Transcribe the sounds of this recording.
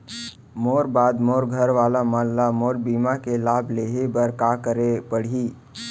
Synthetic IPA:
moːɾbaːd̪moːɾɡʱəɾʋaːlamãːlːamoːɾbiːmakelaːbʱleːɦebəɾkaːkəɾepəɽ̤iː

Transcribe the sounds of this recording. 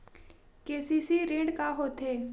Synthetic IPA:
keːsisiɾẽːɳɖkaɦoːt̪ɦeː

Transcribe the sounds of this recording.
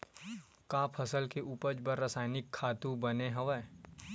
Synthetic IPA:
kaːpʰɐsəlkeʔuːpəd͡ʒbəɾːɐsaːɪnɪkʰːaːt̪ũbɐneɦɐʋɛ

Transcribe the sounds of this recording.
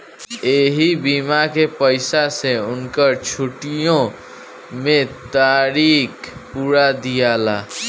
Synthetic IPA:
eɦibimakepəɪsaseunkəɾt͡ʃʰuʈijõ | met̪aɾikpuɾad̪ijala

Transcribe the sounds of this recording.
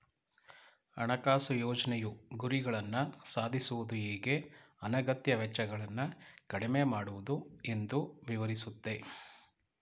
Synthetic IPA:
ɐ̰ɳɐkaːsujoːd͡ʒɐnejuɡuɾiɡɐɭɐnːɐsaːd̪ʱisuʋud̪uiːɡe̞ | ɐnɐɡɐt̪jɐʋɛt͡ʃːɐɡɐɭɐnːɐkɐɽimeːmaːɽuʋud̪ue̞nd̪uʋiʋɐɾisut̪ːe̞

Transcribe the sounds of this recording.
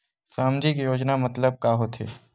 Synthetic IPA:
saːmd͡ʒikjoːd͡ʒnamɐt̪ləb̚kaːɦot̪ʰḛː

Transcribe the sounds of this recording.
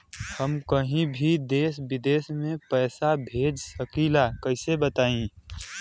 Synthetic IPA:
həmkəɦĩbʱid̪eːsbɪd̪eːsmẽpɛːsabʱeːd͡ʒsəkiːlakəɪsebət̪aːĩ

